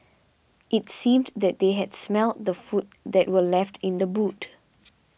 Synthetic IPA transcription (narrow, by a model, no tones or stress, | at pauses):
ʔɪtsĩmd̪ɛt̚d̪eɦɛdsmɛlt̚d̪əfut̚d̪ɛt̚wəlɛftʰɪ̃nd̪əbut